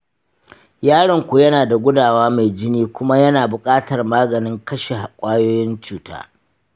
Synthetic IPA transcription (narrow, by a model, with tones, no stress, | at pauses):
jaː˦ɽɐ˨ŋkʷu˨jɐ˦naː˨da˨ɡʷʊ˦daː˨waː˦ma˨jd͡ʒɪ˦niː˦kʷʊ˦ma˦jɐ˦naː˨bʊ˨kʼaː˦tɐ˨rmaː˦ɡɐ˨nɪ˦ŋkɐ˦ʃe˨ha˨kʷʼaː˦joː˦jɪ˦nt͡ʃuː˨˦ta̰ː˦